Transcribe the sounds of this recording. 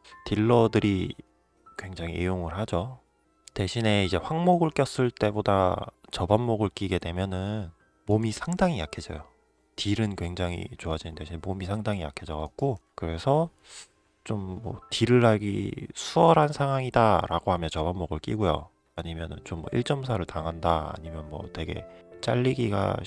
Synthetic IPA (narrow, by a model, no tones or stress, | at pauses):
tiɭːʌdɯɾi | kwe̞ŋd͡ʑaŋiʔḛjoŋɯɭhad͡ʑo | te̞ɕʰine̞id͡ʑe̞ɸwaŋmoɡɯɭk͈jʌs͈ɯɭt͈e̞bodat͡ɕʌbamːoɡɯɭk͈iɡe̞dwe̞mjʌnɯn | momisʰaŋdaŋijakʰed͡ʑʌ̰jo | tiɾɯnkwe̞ŋd͡ʑaŋḭt͡ɕoad͡ʑinɯnteɕʰinemomisʰaŋdaŋijakʰed͡ʑʌɡak̚k͈okɯɾe̞sʰʌ | t͡ɕ͈omːʌ̰tiɾɯɭːaɡḭsʰuʌɾɦansʰaŋɦwaŋidaɾʔa̰ɡoɦamjʌnt͡ɕʌbamːoɡɯɭk͈iɡojo̰ | aɲimjʌnɯ̰nt͡ɕomːʌ̰ʔiɭt͡ɕ͈ʌmsʰaɾɯɭtaŋɦandaa̰ɲimjʌnmwʌ̰twe̞ɡe̞̰t͡ɕ͈aʎːiɡiɡa̰